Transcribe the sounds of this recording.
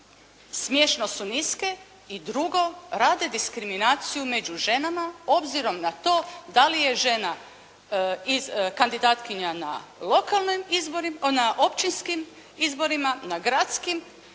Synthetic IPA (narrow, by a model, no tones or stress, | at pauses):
smjeːʃnosuniske̞ | id̪ɾuɡo̞ɾaːd̪ed̪iskɾiminaːt̪sijume̞d͡ʒuʒe̞namao̞bziɾo̞mnat̪o̞ːd̪alije̞ʒe̞na | ikand̪id̪aːt̪kiɲana̰lo̞kalˠnomizboɾinaʔo̞pt͡ʃinskim | izbo̞ɾimanaɡɾat̪skim